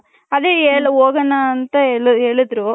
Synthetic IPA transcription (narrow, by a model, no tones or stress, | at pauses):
ɐd̪eeːɭɐoːɡɐnɐːnt̪ɐeːɭeːɭid̪ɾu